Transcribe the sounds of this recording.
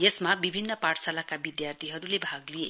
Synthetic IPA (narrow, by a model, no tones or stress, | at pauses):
jesmabibʱinːʌpaʈsalakabid̪jart̪ʰiɦʌɾulebʱaɡlije